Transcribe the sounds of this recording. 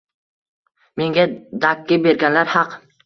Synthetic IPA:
me̞ŋɡʲad̪akʲʰːɪbe̞ɾɡʲanlaɾhɑq

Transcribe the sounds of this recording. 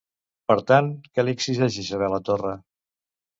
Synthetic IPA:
pəɾt̪ankəliksizaʒisəβɛlət̪orə

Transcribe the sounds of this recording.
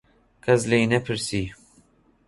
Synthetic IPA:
kʰɐzlejnɛpʰɨɾsiː

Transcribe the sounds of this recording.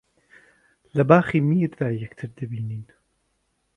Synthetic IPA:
lɐbaːχiːmiɾd̪aːjɛkt̪ʰɨɾd̪ɐbiːniːn

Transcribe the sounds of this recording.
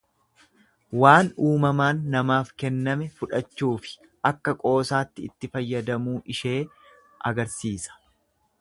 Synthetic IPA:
waːnuːmɐmaːnːɐmaːfkɛnːɐmɛfʊᶑɐt͡ʃːuːfɪ̥ | ʔɐkːɐkʼo̞ːsaːt̪ːɪɪt̪ːɪfɐjːɐd̪ɐmuːʔɪʃe̞ː | ʔɐ̰ɡɐɾsiːsɐ̥

